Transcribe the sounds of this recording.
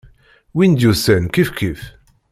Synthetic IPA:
wind̪jusænkifkʰif

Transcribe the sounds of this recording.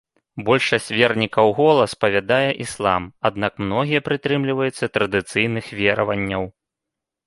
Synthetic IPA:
bɔlʲʂɐsʲt͡sʲvʲɛrnʲikɐwɣɔlˠɐspɐvʲad̪ajɛʔislˠa̰mad̪nakmnɔɣʲijɐpɾɨt̪ɾɨmlʲivɐjut̪sːɐt̪ɾɐd̪ɨt̪sɨjnɨxvʲɛɾɐvɐnʲːɐw

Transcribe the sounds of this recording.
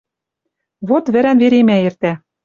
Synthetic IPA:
βot̪βɘ̆ɾænveɾemæert̪æ

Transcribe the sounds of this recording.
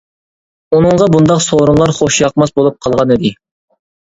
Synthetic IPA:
unɨɴʁɑbund̪ɑqsoɾuŋlˠɑɾχoʃjɑqmɑsbolˠup̚qʰɑlˠʁɑnɪd̪ɪ

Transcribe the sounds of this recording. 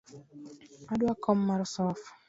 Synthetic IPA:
adwakʰɔmːaɾsɔf

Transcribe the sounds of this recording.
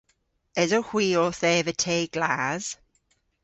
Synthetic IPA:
ɛzohw̥iːɔθɛːvətʰeːɡ̥laːz̥

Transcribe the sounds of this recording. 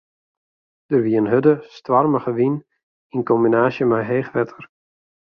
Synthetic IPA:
d̥ərʋiənɦødəstʋarməɣəʋin | inkɔmbinaːsjəmajɦeːxʋɛtʰər

